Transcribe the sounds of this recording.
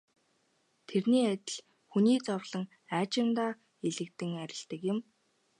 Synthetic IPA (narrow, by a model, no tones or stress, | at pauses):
t̪ʰerniːæt̪ʲɪ̆ɮ | xuniːt͡sɔwɮə̆ŋ | æːt͡ɕɪ̆nt̪aː | eɮɘ̆k̚t̪ɘ̆ŋæɾʲɪ̆ɬt̪ə̆kjɪ̆m